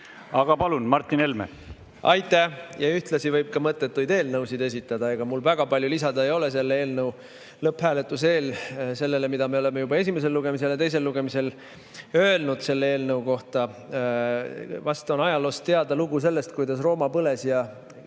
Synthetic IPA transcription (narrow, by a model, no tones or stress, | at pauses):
ɑɡ̥ɑpɑlunmɑrt̪ːinelmḛ | ʔɑjt̪ːˑæjɑyht̪lɑsivɤjb̥̚kɑmɤt̪ːˑet̪ːujd̪e̞ːlnɤwsid̪e̞sʲit̪ːˑɑd̪ɑe̞ɡ̥ɑmulvæɡ̥ɑpɑlʲjulisɑd̪ɑejo̞le̞se̞lːee̞ːlnɤw | lɤphæːle̞t̪ːˑus̬e̞ːlse̞lːe̞le̞mid̪̥ɑme̞o̞le̞me̞jubɑe̞sime̞s̬e̞lːuɡ̥e̞mis̬e̞ljɑt̪e̞jse̞lːuɡ̥e̞mise̞l | ø̞e̞lnud̪̥se̞lːee̞ːlnɤuko̞ht̪ɑ | vɑst̪o̞nɑjɑlost̪e̞ɑd̪ɑluɡus̬e̞lːe̞st̪kujd̪ɑsro̞ːmɑpɤle̞sjɑ